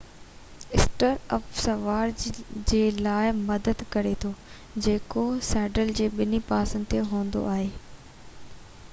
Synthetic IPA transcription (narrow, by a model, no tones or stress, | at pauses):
ɪsʈəɾəfsɐʋaːɾd͡ʑd͡ʑeːlaːɪmɐd̪əd̪kɐɾet̪ʰo | d͡ʑeːkosɛːɖəld͡ʑeːɓɪnipaːsə̃nd̪ɪt̪ʰeɦũːə̃nd̪o̰ʔaːɦeː